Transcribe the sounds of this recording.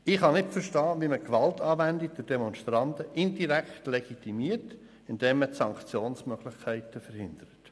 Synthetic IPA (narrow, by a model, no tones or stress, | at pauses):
ɪχhɑnɪtfəɾʃtɑːʋiməkʋɑltɑːʋændid̪ɪd̥emɔnʃtɾɑntəʔɪndiɾæktleɡ̥itimiːərt | ɪnd̥ɛːmːətsɑŋkt͡sjoːnsmœɡ̥lɪχkʰæɪtəfəɾhɪnd̥əɾət